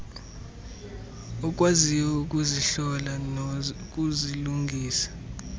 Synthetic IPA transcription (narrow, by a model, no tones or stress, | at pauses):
ɔk̬ʼwaziwɛuk̬ʼuziɬɔla | k̬ʼuziluŋɡʱiːsḁ